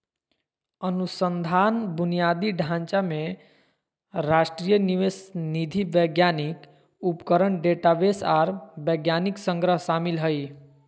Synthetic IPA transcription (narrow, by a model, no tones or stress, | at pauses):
ənusənd̪ʱanbunijad̪iɖʱãnt͡ʃame | ɾasʈɾijəniʋesnid̪ʱibəɡjanik | upkəɾəɳɖeʈabesaɾbəɡjaniksə̃ŋɡɾəɦsamilɦəj